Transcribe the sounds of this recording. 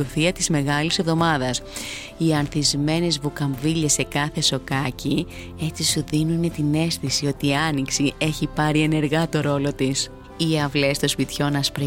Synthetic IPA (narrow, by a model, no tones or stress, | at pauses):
uθiɐt̪izme̞ɣɐlise̞vðo̞mɐðɐs | iɐnθizme̞ne̞zvukɐɱviʎe̞se̞kɐθe̞so̞kɐci | e̞t͡sisuðinune̞t̪ine̞sθisio̞t̪iɐniksie̞çipɐɾie̞ne̞ɾɣɐt̪o̞ɾo̞lo̞t̪is | iɐvle̞st̪o̞spit̪ço̞nɐspɾi